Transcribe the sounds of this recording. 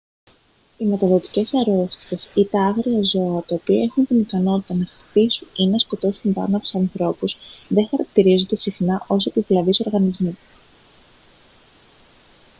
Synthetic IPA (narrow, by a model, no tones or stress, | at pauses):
imet̪ɐðo̞t̪i̥ce̞sɐɾo̞st̪i̥t̪e̞sit̪ɐɐɣɾiɐzo̞ɐt̪ɐopiɐe̞xunt̪inikɐno̞t̪i̥t̪ɐnɐx | t̪isuninɐsko̞t̪o̞st̪inb̪ɐ̰nɐpi̥ssɐnθɾo̞puzðeŋxɐɾɐk̚t̪iɾizo̞nd̪e̞sixnɐʔo̞sepivlɐviso̞ɾɣɐnizmu